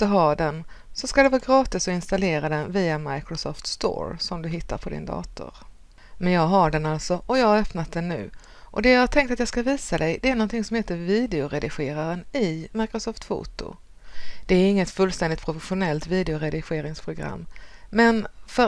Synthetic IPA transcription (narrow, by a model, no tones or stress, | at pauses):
t̪əɦɑːd̪ɛnsɔskad̪ɛvɑːɡɾɑːt̪ɪsɔɪnst̪aleːɾad̪ɛnviːamajkɾʊsɔft̪st̪o̰ːɾsɔmd̪ɵɦɪt̪ːa̰ɾpʰɔd̪ɪ̰nd̪ɑ̰ːt̪ʊ̰ɾ | mɛnjɑːɡɦaɖɛnalt̪sɔʔɔjɑːɡhaɾœpnat̪̚d̪ɛnːʉ̟ː | ʔɔd̪ɛjɑhat̪ʰɛŋkt̪at̪jɑːɡskaviːsad̪ɛjd̪ɛæɾnɔnt̪ʰɪŋsɔmheːt̪əɾviːd̪ɛʊɾɛd̪ɪɧeːɾaɾənɪmajkɾʊsɔːft̪fṵːt̪ʊ̰ | d̪̥ɛæɾɪŋːət̪fɵlːst̪ɛnd̪ɪt̪pʰɾʊfɛɧʊnɛlt̪viːd̪ɛʊɾɛd̪ɪɧeːɾɪŋspʰɾʊɡɾa̰mːɛnfœ